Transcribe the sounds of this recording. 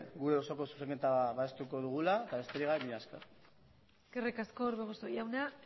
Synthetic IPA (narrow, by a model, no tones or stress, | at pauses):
ɡuɾe̞osoko̞su̥seŋket̪aβaest̪uko̞ðuɣ̞ulaet̪aβe̞st̪e̞ɾiɣaβeβiɲaska | skerekasko̞ɾβeɣosojawna